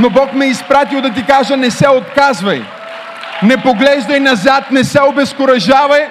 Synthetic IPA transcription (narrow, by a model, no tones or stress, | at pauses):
nobɔkmɛispɾat̪ilˠd̪ɐt̪̬ikaʒənɛsɛot̪̚kazvɐj | nɛpoɡlɛʒd̪ɐjnɐzat̪̚nɛsɛobɛskʊɾɐʒavɐj